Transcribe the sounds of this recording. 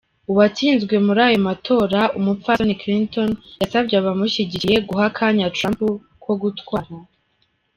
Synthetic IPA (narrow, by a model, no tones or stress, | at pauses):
uβat͡siːnzɡwe̞muɾaːjo̞matʰo̞ːɾaumupfanikɾintonasabɟaβamuʃiɟije̞ɡuɦakʰaɲatɾampu | kwo̞ɡutwaːɾa